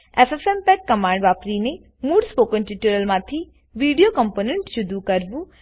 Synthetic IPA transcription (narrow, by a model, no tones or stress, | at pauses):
esesempɛkkɐmãːɳɖʋaːpɾine | muːɖspoːkənʈiʈuɾəlmãt̪ʰi | ʋiːɖijokɐ̃mpoːnẽɳʈʃʊd̪ukɐɾbu